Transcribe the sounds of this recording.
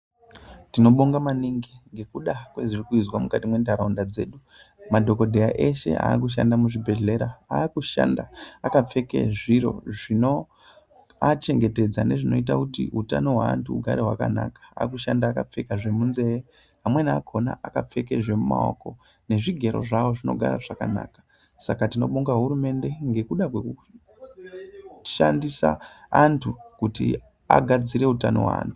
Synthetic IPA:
tino̞ɓoŋɡamaniŋɡiŋɡe̞kuɗakweʐirikuizwamukatimwe̞ndaɾaundad͡ze̞ːɗu | madʱo̞ko̞dʱejaʔe̞ʃe̞̰a̰ːk̬uʃ̬a̰ndamuʐibʱe̞ɮe̞ɾaaːkuʃa̰ndaːkap͡fe̞kḛʐiɾo̞̰ʐino | at͡ʃe̞ŋɡe̞te̞d͡zane̞ʐino̞̰it̬akutiutano̞ɦwaa̰ntuuɡʱaɾeɦwa̰kana̰kḁa̰k̬uʃandaːkap͡fe̞kaʐe̞munze̞je | ɦamwe̞nakʰo̞na̰ʔakap͡fe̞ke̞ʐe̞muma̰o̰ko̞ | ne̞ʐiɡʱe̞ɾo̞̰ʐawo̞ʐino̞ɡʱa̰ɾa̰ʐakana̰ːkḁ | sakatino̞̰ɓuŋɡaɦuɾume̞nde̞ŋɡe̞kuɗakweku | ʃandisa̰antʰukutḭ | a̰ɡʱad͡ziɾe̞utano̰ɦwa̰a̰ntu̥

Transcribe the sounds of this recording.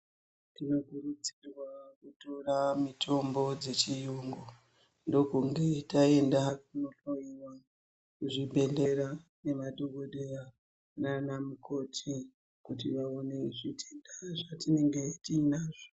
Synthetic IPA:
tino̞kurut͡sirwakuto̞ramitʰo̞mbo̞d͡ze̞t͡ʃijuːŋɡo | ndo̞kuŋɡe̞tae̞ndakunoɬoiwa | kuʐibʱe̞ɮeɾane̞maɗoɡo̞ɗe̞ra | nanamukʰo̞tʰi | kutiʋaone̞ʐitʰendaʐatine̞ŋɡe̞tiːnaːʐo

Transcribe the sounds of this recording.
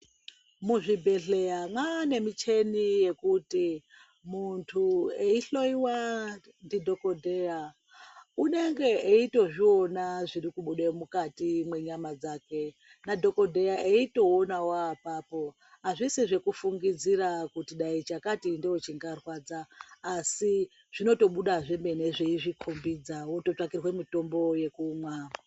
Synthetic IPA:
muʐibʱe̞ɬe̞jamwane̞mit͡ʃe̞nije̞kuti | muntʰueiɬo̞iwa | ndidʱo̞kodʱeja | une̞ŋɡe̞ʔeito̞ʐio̞naʐirikuɓuɗemukatimwe̞ɲamad͡zaːke̞ | nadʱo̞ko̞dʱe̞aʔeito̞onawapaːpo̞ | ɦaʐisiʐe̞kufuŋɡid͡zirakutiɗait͡ʃakatindeot͡ʃiŋɡarwad͡zaːsi | ʐ̥ino̞to̞ɓuɗaʐe̞me̞ne̞ʐeiʐikʰombid͡zawoto̞t͡ʂakirwemito̞mbo̞je̞kuːmwaːma

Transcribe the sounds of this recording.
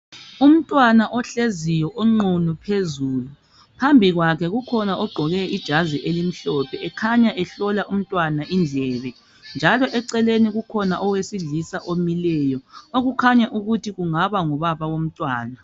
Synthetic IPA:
um̩tʼwanaʔɔɬezijɔʔoŋ͡ǃunupʰezuːlu | pʰambʱiɣwakʰɛɣukʰɔnaʔɔɡ͡ǃʱɔɣɛid̥ʒ̥ʱaziʔelim̩ɬɔpʰɛɛkʰaɲaʔɛɬɔlaʔum̩tʼwanaʔind͡ɮʱɛβɛ | nd͡ʒʱalɔʔɛǀɛleniɣukʰɔnaʔɔwesiɮisaʔomilɛjɔoɣukʰaɲaʔuɣutʰiɣuŋaβaŋɔβaβaɣom̩tʼwaːna

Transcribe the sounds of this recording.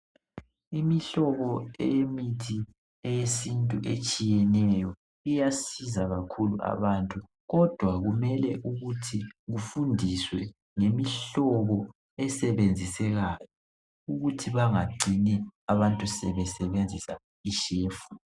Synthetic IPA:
imiɬɔβɔɛ̰jemitʰi | ɛjesintʼuʔet͡ʃʼijɛnɛjɔ | ijasizaɣakʰulṵʔa̰βantʼu | ɣɔd̥ʱwaɣumɛlɛʔuɣutʰiɣufundʱiswɛ | ŋemiɬɔβɔ | ɛsɛβend͡zʱisɛɣaːjɔ | uɣutʰiβaŋaɡ͡ǀʱiniaβantʼusɛβɛsɛβend͡zʱisa | iʃeːfu̥

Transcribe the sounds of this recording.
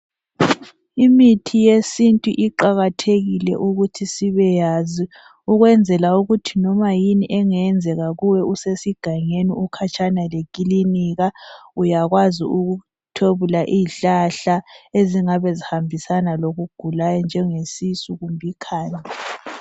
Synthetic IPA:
imitʰijesintʼuʔiǃaɣatʰeɣilɛ̰ʔuɣutʰisiβɛjaːzi | uɣwɛnd͡zʱɛlauɣutʰinɔmajiniʔɛŋɛnd͡zʱɛɣaɣuwɛusesiɡ̥ʱaɲeniukʰat͡ʃʰʼanalekʼiliniɣaujaɣwaziuɣu | tʰoβulaʔiːɬaɬaeziŋaβezihambʱisanaloɣuɡ̥ʱulajɔnd͡ʒʱɛŋesisuɣumbʱikʰaːɲa

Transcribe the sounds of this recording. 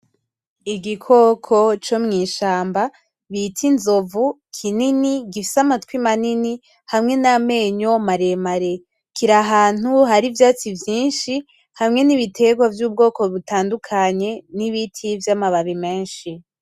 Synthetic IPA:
iɡikʰo̞kʰo̞t͡ʃo̞mŋiːʃaːmba | βitʰinzo̞vu | kʰininiɡifisamatkwimanini | hamŋe̞name̞ːɲo̞maɾe̞maɾe̞ | kiɾaɦaːn̥uɦaɾivjaːt͡sivjiːnʃi | hamŋe̞niβitʰe̞ɡwavjuːb̚ɡo̞ːko̞βutaːndukʰaɲe̞niβitʰivjamaβaβime̞ːnʃi

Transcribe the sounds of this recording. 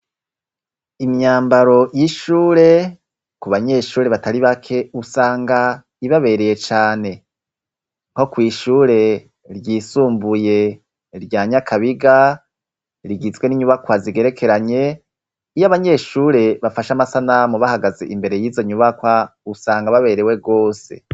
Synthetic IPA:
imɲaːmbaɾo̞jiʃuːɾe̞ | kuβaɲe̞ːʃuːɾe̞βataɾiβakʰe̞usaːŋɡa | iβaβe̞ɾeje̞t͡ʃaːne̞ | ŋho̞kwiːʃuːɾe̞ | ɾɟiːsuːmbuje̞ | ɾɟaːɲakʰaβiɡa | ɾiɡizɡwe̞niɲuβakwaziɡe̞ɾe̞kʰe̞ɾaɲe̞ | ijaβaɲe̞ːʃuːɾe̞βafaʃamasanamuβahaɡaze̞̰ʔimbe̞ɾe̞jiːzo̞ɲuβakwausaːŋɡaβaβe̞ɾe̞we̞ɡo̞ːse̞̰

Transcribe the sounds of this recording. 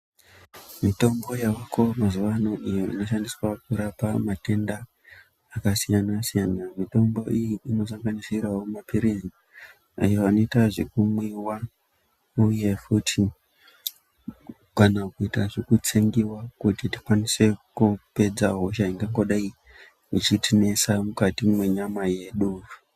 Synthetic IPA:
mito̞mbo̞jawakʰo̞mazuʋano̞ʔijo̞ḭno̞ʃandiswakuɾapamate̞ndaː | kasijanasijanamito̞mbo̞ijiino̞s̬aŋɡanisirawomapiɾizi | a̰joʋano̞itaʐekumwiwa | uje̞futʰi | kanakuitaʐekut͡seŋɡiwakutiti̥kwanise̞kupe̞d͡zaɦo̞ʃaiŋɡaŋɡo̞ɗai | it͡ʃitine̞samukatimwe̞ɲamaje̞ɗuːvu

